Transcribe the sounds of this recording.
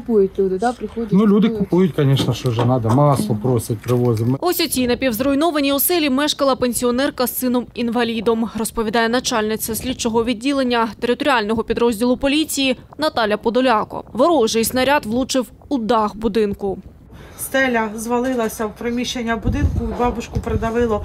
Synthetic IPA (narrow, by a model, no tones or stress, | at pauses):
pujʊtʲlʲud̪ɪɾɪnulʲud̪ɪkʊpujʊtʲkɐnʲɛʃnɐʃt͡ʃɔʒɛnɑd̪ɐmɑsˠɔpɾɔsʲɐt̚ʲpɾɪʋɔzʲɪmɔsʲɔt͡sʲinɐpʲiwzɾɔjnɔʋɐnʲiʊsɛlʲimɛʃkɐlˠɐpenʲsʲiɔnɛrkɐsɪnɔminʋɐlʲid̪ɔmrɔspɔʋʲid̪ɑjɛnɐt͡ʃɑlʲnɪt͡sʲɐsʲlʲidt͡ʃɔɦɔʋʲidʲːilˠenʲːɐt̪eɾɪt̪ɔɾʲalʲnɔɦɔpʲid̪ɾɔzʲdʲilˠʊpɔlʲit͡sʲijinɐt̪ɑlʲɐpɔd̪ɔlʲɑkɔ̰ʋɔɾɔʒɪjsnɐɾʲɑt̪ʋlˠut͡ʃɪw | ud̪ɑxbʊd̪ɪnkʊ | st̪ɛlʲɐzʋɐlˠɪlˠɐsʲɐwpɾemʲiʃt͡ʃenʲːɐbʊd̪ɪnkʊbɑbʊt͡ʃkʊpɾed̪ɐʋɪlˠɔ